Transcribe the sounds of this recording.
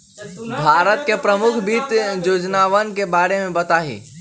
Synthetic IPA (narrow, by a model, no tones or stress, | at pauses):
bʱaːɾət̪̚kepɾəmʊkʰbiːt̪joːd͡ʒnaːʋənkebaːɾemẽbət̪aːɦḭː